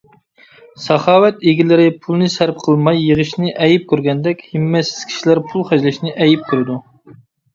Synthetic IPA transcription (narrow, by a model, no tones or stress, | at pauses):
sɑχɑːwɛt̪eɡʲilɪɾɪpʰulˠnɨsæɾp̚qʰəlˠmɑjːəʁəʃnɪʔɛjip̚kʲʰøɾɡʲɛnd̪ɛkʲhɪmːɛsɪz̥kʲʰi̥ʃilæɾpʰulˠχæd͡ʒlɪʃnɪʔɛjip̚kʲʰyɾɪd̪u